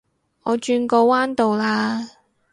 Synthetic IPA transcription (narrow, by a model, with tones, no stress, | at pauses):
ʔɔː˨˧t͡ʃyː˧nkɔː˧waː˥nt̪o˨wlaː˧